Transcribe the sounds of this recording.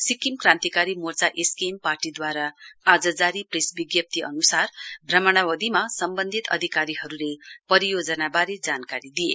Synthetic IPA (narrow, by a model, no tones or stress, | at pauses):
sikimkrãnt̪ikaɾimort͡saʔeskemparʈid̪waɾaad͡zʌd͡zaɾipresbiɡjʌp̚t̪ʰiʌ̰nusarbʱrʌmʌɽ̃awʌd̪imasʌmbʌnd̪ʱit̪ʌ̰d̪ʱikaɾiɦʌɾulepʌɾijod͡zʌnabaɾid͡zankaɾid̪ijḛ